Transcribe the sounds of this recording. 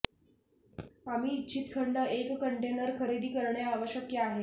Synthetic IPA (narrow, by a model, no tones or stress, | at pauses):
am̤iːt͡ɕʰiːt̪kʰəɳɖəʔekːəɳʈenəɾkʰəɾid̪iːkəɾɳjaaʋəɕjəkjaːɦe